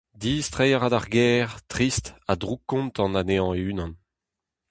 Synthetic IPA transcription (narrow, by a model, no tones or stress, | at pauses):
d̪iːst̪ʁɛjaʁadaʁɡɛːʁt̪ʁist̪ad̪ʁukːɔ̃ntɑ̃naneɑ̃eyːnɑ̃n